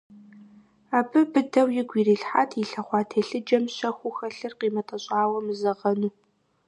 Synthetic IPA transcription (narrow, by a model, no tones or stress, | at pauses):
aːbɨbɨdɐwjɪɡʷiːriːɬħatʰɪɬɐχʷɑːtʰeːɬɨd͡ʒɐmɕɐxʷʊxɐɬɨrqiːmɐtʼɐɕʼaːwɐmɨzɐʁɐnuː